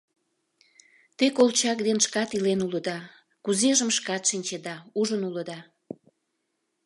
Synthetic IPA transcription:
t̪ekolt͡ɕɑk̚d̪enʃkɑt̪ilenuləd̪ɑ | kuzeʒəmʃkɑt̪ʃinʲt͡ɕed̪ɑuʒənuləd̪ɑ

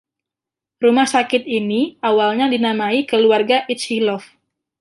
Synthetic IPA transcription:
rumahsakɪt̪̚iniʔawalɲadinamaikəluarɡaʔit͡ʃhilɔf

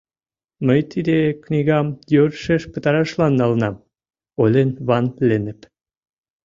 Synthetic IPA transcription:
məjt̪ʰid̪eknʲiɣɑmjøɾʃeʃpə̆t̪ɑɾɑʃlɑnːɑlə̆nɑm | olʲenβɑnlʲenə̆p

